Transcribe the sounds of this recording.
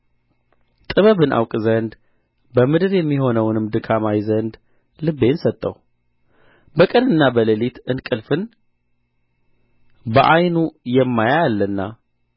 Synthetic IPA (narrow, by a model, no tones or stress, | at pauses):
t̪ʼɨβəβɨnʔa̰wkʼzənd̪ | bəmɨd̪ɨɾjɛmːiho̞nəwnɨmd̪ɨkʰamajzənd̪ | lɨbːe̞nsət̪ʼːəw | bəkʼɨnɨnːabələlit̪ɨnkʼɨlfɨn | bəʔajnujɛmːajajalːɨnːa